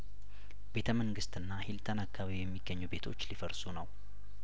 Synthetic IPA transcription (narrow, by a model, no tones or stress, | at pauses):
be̞t̪ʰəməŋɡɨst̪ɨnːahilt̪ʰənakʰːaβijɛmːiɡːəɲːube̞t̪ʰo̞̰t͡ʃːlifəɾsunəw